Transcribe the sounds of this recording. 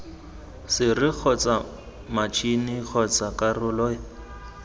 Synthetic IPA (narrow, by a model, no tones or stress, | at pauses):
sɪrɪk͡xʰɔt͡sʼa | mat͡ʃʰinɪk͡xʰɔt͡sakʼarʊlɔ